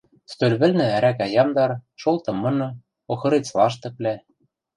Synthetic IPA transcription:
st̪ølβɘ̆lnɘ̆æɾækæjɑmd̪ɑɾʃolˠt̪ɤ̆mːɤ̆nɤ̆ | oxɤ̆ɾet͡slɑʃt̪ɤ̆k̚læ

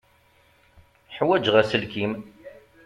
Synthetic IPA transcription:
ħwæd͡ʒʁæsəlkim

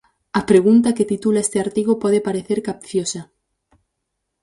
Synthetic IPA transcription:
apɾe̞ɣ̞unt̪aket̪it̪ulaest̪eaɾt̪iɣ̞opweðepaɾeθeɾkapθjosa

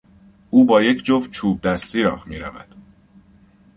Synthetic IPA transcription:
uːbɒːje̞cʰd͡ʒovt͡ʃʰuːb̚d̪æst̪iːɾɒ̰ːhmiːɾævæ̰d̪̥

